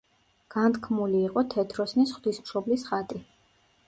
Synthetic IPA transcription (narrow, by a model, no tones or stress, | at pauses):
ɡ̥ant̪kʰmuliːqʼɔt̪ʰɛt̪ʰɾɔsnisχd̪̥ismʃɔblisχat̪ʼi